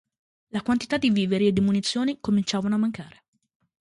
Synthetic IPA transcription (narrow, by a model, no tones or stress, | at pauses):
lakwant̪i̥t̪ad̪ːiviːveɾied̪ːimunit̪sːjoːnikomint͡ʃaːvanoamːaŋkaːɾe